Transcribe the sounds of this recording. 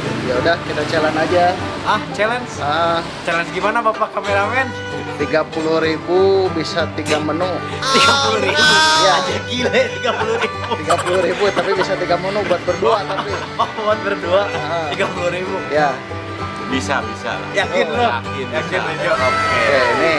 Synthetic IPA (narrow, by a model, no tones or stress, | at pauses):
jaudahkit̪at͡ʃalanad͡ʒa | aht͡ʃɛlɛnsəʔə | t͡ʃɛlɛnsɡimanabapakameɾamɛn | t̪iɡapuluhɾibubisat̪iɡamənʊ | t̪iɡapuluɾibujad͡ʒakilɛt̪iɡapuluɾibut̪iɡapuluɾibut̪apibisat̪iɡamənʊbuat̪̚bərduat̪api | awanbərduaəʔət̪iɡapuluɾibuja | bisa̰bisa̰la̰jakɪnlɔakɪnjakɪd͡ʒoʔkini